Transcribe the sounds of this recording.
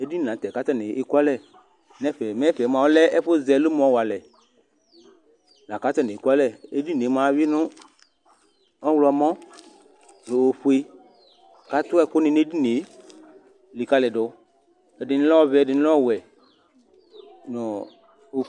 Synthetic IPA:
e˦di˦n˨nã˨˦t̪ɛ˨ka˦t̪ɛ˦nɪ˨ʔku˦a˦lɛ˦˨ | nɛ̃˦ɸɛ˨mɛ̃˦ɸɛ˨˦mã˨wo˦lɛ˦ʔɛ˦ɸʊ˦zɛ˨lʊ˦mɔ̃˨wa˨lɛ˨ | nã˨ka˨˦t̪ɛ˦nẽ˨ku˦a˦lɛ˦˨e˦di˦n˨e˨˦mã˨˦wi˦nʊ̃˦ | ɔ˦wlɔ˨a˨mɔ̃˦ | lo˨wo˨ɸu˦e˦ | ka˨t̪ʊ˦ɛ˦˨kʊ˦nɪ̃˨ne˦di˦ne˨˦ | li˨ka˦lɛ˨ɖʊ˨˦ | ɛ˨dɪ˨n˦lɔ˦vɛ˨dɪ˨n˦lɔ˦ɔ˦˨wɛ˨ | nɔ̃˨ | o˨

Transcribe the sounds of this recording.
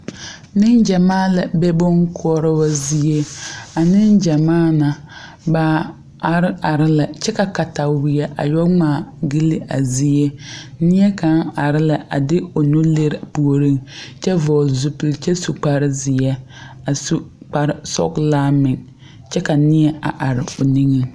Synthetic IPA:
mɪ˦ŋd͡ʒa˨maː˦la˨bɛ˦bʊ˦ŋkʰʊ˦ɔ˦ɾɪ˦wa˦zi˦e˦a˨nɪ˦nd͡ʒa˨maː˦na˨ | baː˨ | a˨ɾɪ˦a˨ɾɪ˦la˨t͡ʃɛ˦ka˨ka˨ta˨wɪ˨jɛ˦ʔa̰˨jɔ˦ŋ͡maː˨ɡi˦li˦ʔa̰˨zi˦e˦nɪ˦ɛ˦ka˨˦ŋa˨ɾɪ˦la˨ʔa̰˨dɪ˦o˨nʊ˦le˦ɾpu˨o˨ɾi˦ŋt͡ʃɛ˦vɔː˨lzʊ˨pɪ˨lt͡ʃɛ˦su˨k͡pa˨ɾɪ˦zɪ˨ɛ˦ | a˨su˦ | k͡pa˨ɾɪ˦sɔ̰˦klaː˦mɪ˨ŋ | t͡ʃɛ˦ka˨nɪ˦ɛ˦a˨ʔa˨ɾɪ˨o˨ni˦ŋɛ˦

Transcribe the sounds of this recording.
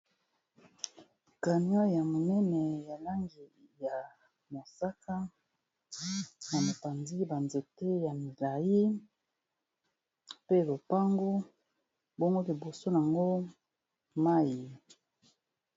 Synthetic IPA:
ka˨n˦a˦ja˨mo˨nɛ˦nɛ˨ja˨la˦ŋɡi˨ja˨ | mo˨sa˦ka˦ | na˨ma˨pa˨nzi˦ba˨nze˨te˦ja˨mi˨la˨ji˦ | pe˦lo˨pa˦ŋɡo˦ | bo˦ŋɡo˦li˨bo˨so˦n˨a˨ŋɡo˦ | ma˦ji˨

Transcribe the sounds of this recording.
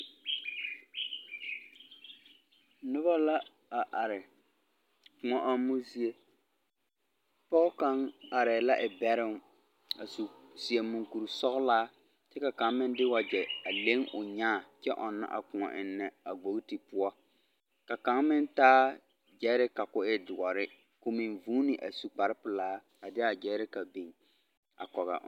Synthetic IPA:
nʊ˦ba˦la˦ | a˨ʔa˨ɾɪ˨ | kʊ˨ŋɔ˨ʔa˦mːu˦si˦e˦ | pɔ˦ɣka˨˦ŋa˨ɾɛː˨la˦ʔɪ˨bɛ˦ɾɪ˦ŋ | a˨su˨si˨e˨mũ˨ŋku˨ɾu˨sɔ˦ɣlaː˦ | t͡ʃɛ˦ka˨ka˨ŋmɪ̃˦ndɪ˦wa˨d͡ʒɛ˨a˨le˦ŋʔʊ˨ɲaː˦˨t͡ʃɛ˦ʔɔ˨nːa̰˦ʔa̰˨kʊ˨ŋɔ̰˨ʔɪ˨nːɛ˨a˨ɡ͡bo˨ɡti˨pʊ˦ɔ˦ | ka˨ka˨˦ŋmɪ˦ntaː˦ | d͡ʒɛ˦ɾɪ˦ka˨kʊ˨ɪ˦dʊ˨ɔ˨ɾɪ˦ | kʊ˨mɪ̃˨nvuː˦ni˨ʔa̰˨su˨k͡pa˨ɾɪ˦pʊ˨laː˦ | a˨dɪ˦a˨d͡ʒɛ˨˦ɾɪ˦ka˨bi˨ŋ | a̰˨kɔ˨ɣa̰˨˦

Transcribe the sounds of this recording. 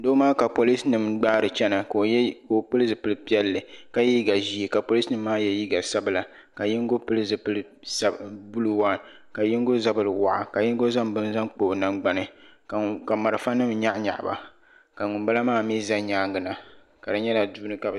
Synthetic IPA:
do˦maː˦ka˨po˨li˦snɨ˨mɡ͡baː˦ɾɨ˨t͡ʃɛ˦na˨kko˦pɨ˦lɨ˦zɨ˨pɨ˦lɨ˦pi˦ɛ˦lːɨ˨ka˨ji˦ɡa˨ʒi˦i˨ka˨po˨li˦snɨ˦mːaː˦jɛ˦ji˦ɡa˨sa˦bɨ˨la˨ | ka˨ji˦ŋ˦ɡo˦pɨ˦lɨ˦zɨ˨pɨ˦lɨ˦ | sa˦bu˦lɨ˦wa˦˨ | ka˨ji˦ŋ˦ɡo˦za˦bɨ˨lɨ˨wa̰˨ʔa̰˨ka˨ji˦ŋ˦ɡo˦za˦mbɨ˦n˦za˦ŋk͡po˨na˦ŋ͡mɡ͡ba˨nɨ˨ | ka˨ma˨ɾɨ˨fa˦nɨ˦mɲa˦ʔɲa̰˨ʔba̰˨ | ka˨ŋʊ˨mba˦la˦maː˦mi˦za˦ɲaː˦ŋɡɨ˨na˨ | ka˨dɨ˨ɲɛ˦la˨duː˦nɨ˦ka˨b

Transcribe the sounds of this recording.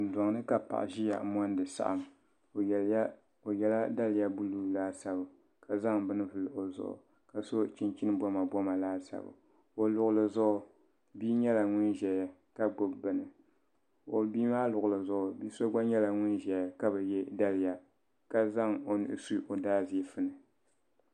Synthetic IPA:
n̩˨dɔ˨ŋnɨ˦ka˨pa̰˨ʔa̰˨ʒi˦ja̰˨˦mɔ˦n˦dɨ˨sa̰˦˨ʔa̰˨m˨˦ | o˨jɛ˦la˦da˦lɨ˨ja˦bu˦luː˦˨laː˦sa˦bɨ˨ | ka˨za˦ŋbɨ˦nɨ˦vɨ˨lɨ˨ʔo˨zʊ̰˨ʔʊ̰˨ | ka˨so˦t͡ʃi˦nt͡ʃi˦nɨ˦bɔ˦ma˨bɔ˦ma˨laː˦sa̰˨bɨ̰˨ | o˨lʊ˨ʔʊ˨lɨ˨zʊ˦ʔʊ˨ | biː˦ɲɛ˦la˨ŋʊ˦nʒɛ˨ja˨ | ka˦ɡ͡bo˦bːɨ˨nɨ˨ | o˨biː˦maː˦lʊ˨ɣʊ˨lɨ˨zʊ˦ʔʊ˨biː˦so˦ɡ͡ba˦ɲɛ˦la˨ŋʊ˦nʒɛ˨ja˨ka˦bɛ˨jɛ˦da˦lɪ˨ja˨ | ka˦za˦ŋo˨nɨ̰˦˨ʔɨ̰˦su˦˨ʔo˨daː˦zi˨˦fɨ˦nɨ˨

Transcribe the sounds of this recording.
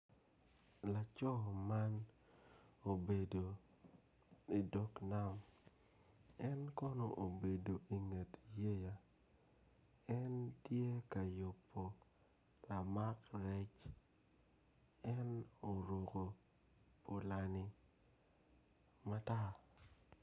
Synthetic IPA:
la˨t͡ʃɔ˦ma˦n | o˨be˨do˨ | i˨dɔ˦kna˦m | ɛ˦nkɔ˦no˨ʔo˨be˨do˨ʔi˨ŋe˨tje˦ja˨ | ɛ˦ntje˦ka˨jʊ˨pʰːo˨ | la˨ma˦kɾɛ˦t͡ʃ | ɛ˦no˨ɾo˨ko˨ | po˨la˨ni˦ | ma˦ta˦

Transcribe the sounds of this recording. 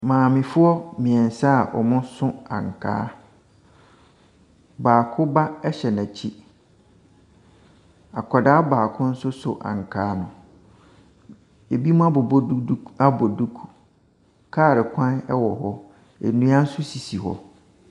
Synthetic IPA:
mãː˨mɪ̃˨fʊ˦ɔ˦mĩ˨ɛ̃˨n̩˨sa˦a˨ʔɔ̰˨mʊ̃˦sʊ̃˦ã̰˨ŋ˨kʰa̰ː˦ | baː˨kʰʊ˦ba˦ɛ˦ɕɛ˨nã˨t͡ɕʰi˦ | a˨kʰɔ˨da˦a˦baː˨kʰʊ̃˦n̩˦sʊ˦sʊ˨ʔã̰˨ŋ˨kʰaː˦nʊ̃˨ | e˨bi˦mʊ̃˦a˦bʊ˨ba˦bɔ˨du˦kʰu̥˦ | kʰaː˦˨ɾɪ˨kʷʰã˦nɛ˦wɔ˨ɦɔ˦ | ḛ˨nũ˦ã˦n̩˦sʊ˦si˨si˨ɦɔ̰˦

